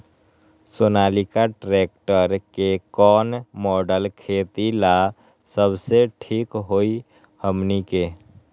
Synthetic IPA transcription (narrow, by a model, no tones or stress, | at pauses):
soːnaːlikaʈɾeːk̚ʈəɾkekɔːnmɔːɖəlkʰeːt̪ila | səbseʈʰiːkɦoi | həmnike